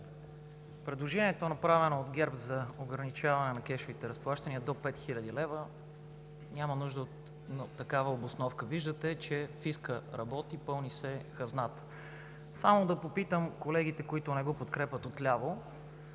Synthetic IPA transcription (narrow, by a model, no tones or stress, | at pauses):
pɾɛd̪lˠoʒɛnʲiɛt̪onɐpɾavɛnoːd̪ɡɛɾpzɐoɡɾɐnit͡ʃavɐnɛnɐk̟ɛʃvit̪ɛɾəsplˠaʃt̪ɐniəd̪opɛt̪xilʲəd̪ilɛvə | nʲamɐnuʒd̪əot̪ | t̪ːɐkavəobosnɔfkəviʒd̪ət̪ɛt͡ʃɛfiskəɾɐbɔt̪ipɤlˠnisɛxɐznat̪ | samod̪ɐpopit̪əmkolɛɡ̟it̪ɛkoit̪ʊnɛɡɔpot̪kɾɛpʲət̪ot̪lʲavo